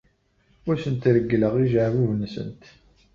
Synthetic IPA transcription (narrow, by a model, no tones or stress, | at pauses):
ʊɾsənt̪ɾəɡːləʁiʒəʕvuvnsə̰nt̪